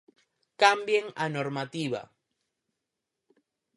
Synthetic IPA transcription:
kambjeŋanoɾmat̪iβa̰

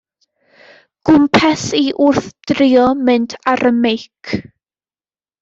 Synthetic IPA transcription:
ɡ̥ʊmpʰɛsiʔʊrθd̥rɪɔmɨntʰaɾʔəmejkʰ

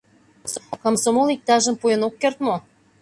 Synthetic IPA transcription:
komsomolik̚t̪ɑʒə̆mpujə̆nokːert̪mo

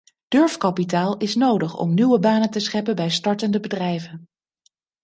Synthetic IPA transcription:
d̥ɵɹfkɑpitaːlˠɪsnowdəχɔ̰mnywəbaːnətəsχɛpəbɛjstɑɹtəndəbədrɛjvən

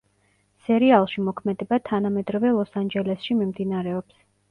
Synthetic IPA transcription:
sɛɾialˠʃimɔkʰmɛd̪ɛbat̪ʰanamɛd̪ɾɔvɛlˠɔsand͡ʒɛlɛsʃimimd̪inaɾɛɔps

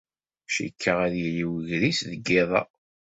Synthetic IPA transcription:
ʃḭkʰːəʁæðjəjiwəʝɾisðəɡːeðˤɑ̰

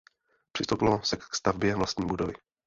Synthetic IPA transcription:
pr̥ɪst̪owpɪlosɛkst̪avbjɛvlast̪ɲiːbudovɪ

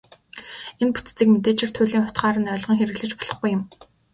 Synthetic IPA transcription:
enpu̥t͡st͡siːkmet̪̬eːt͡ɕɪ̆r̥t̪ʰʊːɮiːŋχʊt̪χɢaːɾə̆nœːɮʁə̆ŋxeɾɘ̆ɣɮɘ̆t͡ɕpɔ̥ɮ̥ɞ̆χɡujːʊ̆m

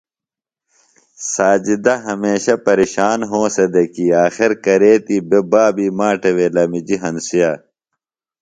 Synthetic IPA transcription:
saːd͡ʑid̪ɐɦɐmeːɕɐpɐɾiɕaːnɦõːsed̪ɐkiːaːxiɾkɐɾeːt̪iːbebaːbiːmaːʈeweːlɐmid͡ʑiɦɐnsijaː

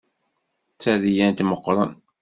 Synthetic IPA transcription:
t͡sːæðijænt̪məqːɾˤən

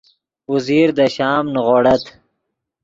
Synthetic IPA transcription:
uziːɾd̪əʃɑːmnɣoːɽɐt̪

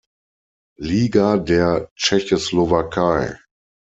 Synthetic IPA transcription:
liːɡadeːɐt͡ʃɛçoslovakʰaɪ

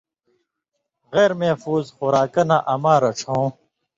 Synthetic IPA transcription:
ɣeːɾmefuːzxuɾaːkɐnaʔɐmaːɾɐʈ͡ʂʰõː

